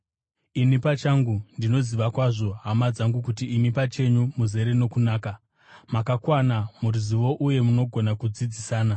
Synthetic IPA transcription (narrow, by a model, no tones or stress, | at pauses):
inipat͡ʃaŋɡundino̞ziʋakwaʐo̞ɦamad͡zaŋɡuk̬utiːmipat͡ʃe̞ɲumuze̞ɾe̞no̞kunaːka | makakwanamuɾiziʋo̞ʔuje̞muno̞ɡʱo̞nakud͡zid͡zisaːna